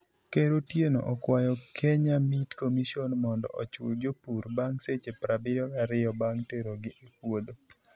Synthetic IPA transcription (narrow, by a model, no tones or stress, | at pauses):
keɾotjeno̰ʔɔkwajɔkʰeɲamitkomiʃionmɔndɔ̰ʔɔt͡ʃʊ̰ld͡ʒopuɾbaŋset͡ʃepɾabɪɾɔkaɾɪjɔbaŋteɾoɡɪʔepwod̪o